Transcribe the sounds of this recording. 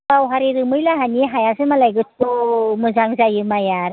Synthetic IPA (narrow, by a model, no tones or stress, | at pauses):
bawɦaɾiɾɯmɯjlaɦaniɦajasɯmalajɡɯtomɯzaŋzajɯmajaɾ